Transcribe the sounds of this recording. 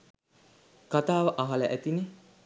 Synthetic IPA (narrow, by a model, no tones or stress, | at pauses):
kat̪aːʋəʔaɦaləʔæt̪ine